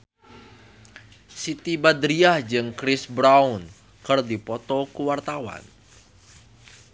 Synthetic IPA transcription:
sit̪ibad̪ɾiahd͡ʒɨŋkɾɪsbɾaun | kərdipɔt̪ɔkuwart̪awa̰n

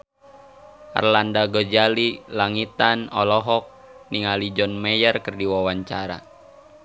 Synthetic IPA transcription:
ʔa̰rlandaɡɔd͡ʒalilaŋit̪anɔ̰lɔɦɔk̚niŋalid͡ʒɔnmɛjərkɨrdiwawaɲt͡ʃaɾa̰

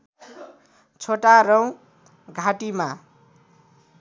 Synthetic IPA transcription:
t͡sʰoʈaɾʌw̃ | ɡʱaʈima

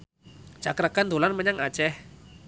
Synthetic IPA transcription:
t͡ʃakɾakand̪olanməɲaŋḁt͡ʃɛh

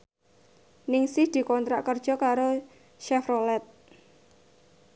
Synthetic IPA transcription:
nɪŋsɪhd̪̥i̤kɔnt̪ɾaʔkərd̥ʒ̥ɔ̤kaɾo | ʃɛfrolɛt̪̚

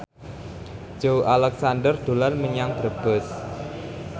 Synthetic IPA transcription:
d͡ʒ̥owʔalɛksandərd̪̥o̤larməɲaŋb̥ɾəb̥əs

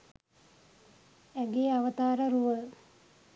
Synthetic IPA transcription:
æɡeːaʋət̪aːɾəɾuʋə

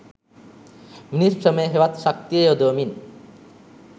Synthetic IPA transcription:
minisɾəməjeɦeʋat̪ʃak̚t̪ijod̪oːmin

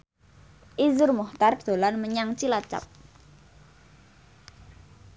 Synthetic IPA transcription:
ʔizʊrmuht̪ard̪̥o̤lanməɲaŋt͡ʃilat͡ʃa̰p̚

